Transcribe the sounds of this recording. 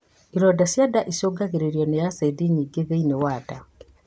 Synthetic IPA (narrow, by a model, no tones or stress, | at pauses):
iɾɔdasjadaʔisoːɡaɣeɾeɾjɔnejasaidiɲiːɡeðeinewaːda